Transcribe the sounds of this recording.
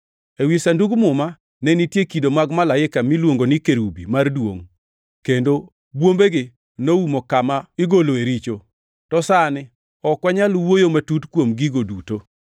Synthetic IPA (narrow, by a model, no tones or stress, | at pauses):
ewisanduɡmʊma | nɛnitjekidomaɡmalaɪkamilwoŋɡonɪkeɾubḭmardwo̰ŋ | kendo | bwombeɡɪ | noumokamaɪɡoloeɾit͡ʃo | tɔsanɪ | ɔkwaɲalwojomatutkwomɡiɡoduto